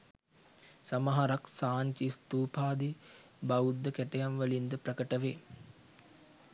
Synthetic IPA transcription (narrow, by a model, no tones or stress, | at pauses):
sɐməɦaɾaksaːɲt͡ʃist̪uːpʰaːd̪i | baud̪ːəkɛʈəjanʋəlind̪əpɾəkəʈəʋeː